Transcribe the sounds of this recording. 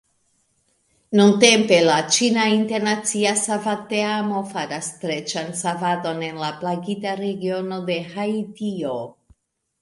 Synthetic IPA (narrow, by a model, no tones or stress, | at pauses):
nunte̞mpe̞lat͡ʃinainte̞ɾnat͡siasavateamo̞faɾastɾe̞t͡ʃansavado̞ne̞nlaplaɡitaɾe̞ɡio̞no̞de̞haitio̞